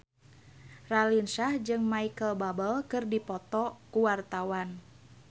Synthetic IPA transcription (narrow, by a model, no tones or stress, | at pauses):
ralinsahd͡ʒɨŋmaikəlbabəlkɨrdipɔt̪ɔkuwart̪awan